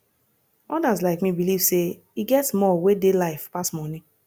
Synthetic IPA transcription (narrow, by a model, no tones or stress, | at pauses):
ɔdazlaɪkmibiliv̥se | iɡɛtsmɔwedelaɪfpasmɔni